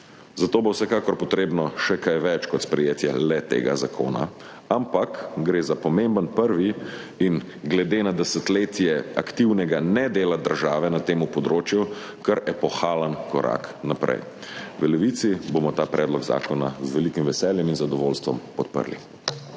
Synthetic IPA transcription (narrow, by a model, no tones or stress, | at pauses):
zat̪oːbowsɛkaːkɔɾpɔt̪ɾeːbnɔʃɛkajʋɛt͡ʃkɔt̪spɾɛjeːt̪jɛlɛt̪ḛːɡa̰zakʰo̰ːna̰ | ampakɡɾeːzapɔmẽmbənpəɾʋi | in | ɡlɛd̪eːnad̪ɛsət̪leːt̪jɛa̰kt̪iwnɛɡanɛd̪eːlad̪əɾʒaːʋɛnat̪eːmupɔd̪ɾoːt͡ʃju | kəɾɛpɔxaːlənkɔɾa̰knapɾʔɛ̰j | ʋəlɛʋit̪sibomɔt̪aːpɾʔɛːd̪lɔɡza̰ːkɔnazʋɛlikimʋɛsɛljɛminzad̪ɔʋoːlst̪ʋɔ̰mpɔt̪̚pə̰ɾlḭ